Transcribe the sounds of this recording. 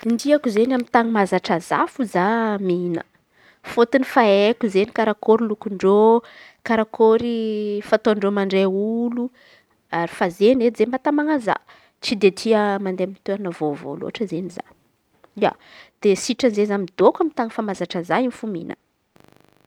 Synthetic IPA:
ind̪iakuzenamint̪aŋəmazaʈ͡ʂaza̰fuzaminə̰ | fot̪inifaekuzenikaɾakoɾilukuɳɖ͡ʐo | kaɾakoɾifat̪oaɳɖ͡ʐomaɳɖ͡ʐeulu | aɾifazened͡zembat̪amaŋaza̰ | t͡sid̪et̪ʰiəmand̪emit̪eɾanəvovo̰lo̰aʈ͡ʂəzeniza̰ | ia̰d̪̥esiʈ͡ʂanzezamid̪okʷamint̪aŋəfamazaʈ͡ʂəzainfumḭnə̰

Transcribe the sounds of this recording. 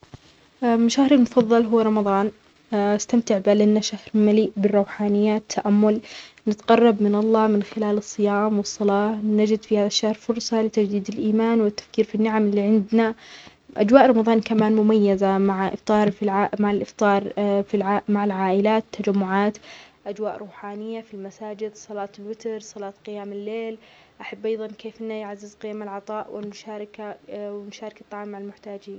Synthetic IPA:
ʔamɪʃahɾɪlmʊfɑðˤːɑlɦʊwːɾˤɑmɑðˤɑːn | ast̪amt̪ɪʕbalɪnːaʃahɾmaliːʔbɪrˤːɑwħaːnɪjːat̪ʰːaʔamːʊl | nɪt̪qɑrˤːɑbmɪnɑlˤːɑːmɪnxɪlaːlɨsˤːɨjaːmwɨsˤːɑlɑːnad͡ʒɪd̪fihaːðaʃːahɾfʊɾsˤɑlɪt̪ad͡ʒd̪iːd̪ɪlʔiːmaːnwɪt̪ːḁfkiːɾfinːɪʕamɪlːiːʕɪnd̪na | ʔa̰d͡ʒwaːʔɾˤɑmɑðˤɑːnkamaːnmʊmajːazamaʕʔɪ̰ft̪ˤɑːɾˤiʕamaʕalʔɪft̪ˤɑːɾˤfilʕamaʕɪlʕaːʔɪlaːt̪ʰːad͡ʒamːʊʕaːt̪ | ʔad͡ʒwaːʔɾˤuːħaːnɪjːafilmasaːd͡ʒɪd̪sˤɑlɑːt̪ɪlwɪt̪ɾsˤɑlɑːt̪qɪjaːmɪlːeːl | ʔaħabːʔɑjðˤɑnkeːfʔɪnːajaʕazːɪzqɪjaːmɪlʕɑt̪ˤɑːʔwɪlmʊʃaːɾˤɪkawɪlmʊʃaːɾˤɑkat̪ˤːɑʕːmːaʕalmʊħt̪aːd͡ʒiːn

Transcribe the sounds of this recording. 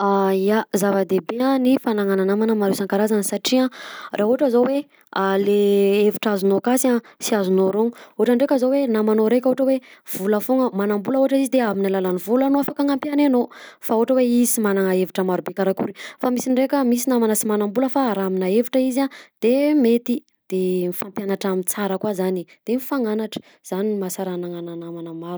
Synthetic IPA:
ajazavəd̪ebeãnifanaŋananamanəmaɾesaŋkaɾazansaʈ͡ʂiarʔauaʈ͡ʂəzowe | aleeviʈ͡ʂazunokasãsiazunoɾoŋu̥oaʈ͡ʂəɳɖ͡ʐekʲəzowenamanoɾekʲoɦoʈ͡ʂəwev̥uləfoŋəmanambuləoɦaʈ͡ʂizid̪eaminalalanivulanoafakaŋampjananofaoʈ͡ʂəweizimanaŋaeviʈ͡ʂəmaɾubekaɾakṵɾifamisiɳɖ͡ʐekʲəmisinamanasimanambuləfaɾaminaeviʈ͡ʂəizad̪̥emet̪i | d̪̥emifampjanaʈ͡ʂamint͡saɾəkwazanid̪̥enifaŋanaʈ͡ʂə̥ | z̥animasaɾanaŋananamanamaɾu

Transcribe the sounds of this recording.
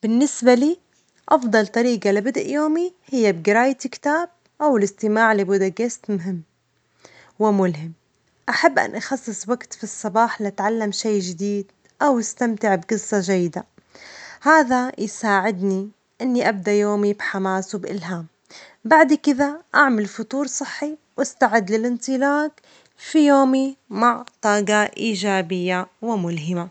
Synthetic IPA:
b̥ɪnːɪsbaliː | ʔɑfd̪ˤɑlt̪ˤɑɾiːɡalɪbɪd̪ʔjoːmihɪjːab̚ɡɪɾaːjt̪kt̪aːb̚ | ʔawɪlɪst̪ɪmaːʕlɪbuːd̪aɡɪst̪mʊɦɪmː | wɪmʊlɦɪm | ʔaħabːʔa̰nʔɑxɑsˤːɨsˤwaɡt̪fisˤːɑbɑːħlɪʔat̪ʕalːamʃajːʒɪd̪iːd̪ | ʔawɪst̪amt̪ɪʕbɡɨsˤːɑʒajːɪd̪a | haːðajsaːʕɪd̪ni | ʔɪnːiʔab̚d̪aʔjoːmibħamaːswbʔɪ̰lɦaːm | baʕd̪kɪðaʔaʕmalfʊt̪ˤuːɾsˤɨħːiwʔast̪aʕɪd̪lɪlʔɪnt̪ˤɨlaːk | fijoːmimaʕt̪ˤɑːɡɑʔiːʒaːbɪjːawɪmʊlɦɪma

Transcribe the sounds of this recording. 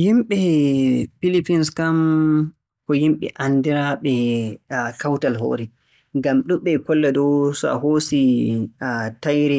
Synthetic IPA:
jimɓɛ | pilipinskam | kɔjimɓɛ̰ʔanːdiɾaɓɛ | kawtalɦo̰ːɾɛ | ŋɡamɗumɓɛkɔlːɛdɔwsɔa̰ɦoːsi | tajɾɛ

